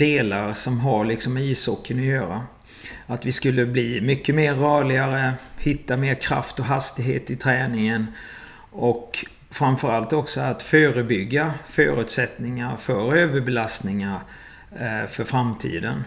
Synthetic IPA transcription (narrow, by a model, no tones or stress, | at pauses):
d̪̥eːlaɾsɔmɦaɾɭɪksɔmiːsɔkʰːənɔjœːɾa | at̪vɪskɵlːəbliːmʏkːəmeːɾːœːɭɪɡaɾəhɪt̪ːameːɾkʰɾa̰ft̪ɔɦast̪ɪɡɦḛːt̪ɪt̪ʰɾɛːnɪŋən | ʔɔk | fɾamfœɾalt̪ɔksɔat̪føːɾəbʏɡːafœ̰ːɾʉ̟ːt̪sɛt̪nɪŋaɾfœɾøːvəɾbɛlast̪nɪŋaɾ | fœɾfɾamt̪ʰḭːd̪ən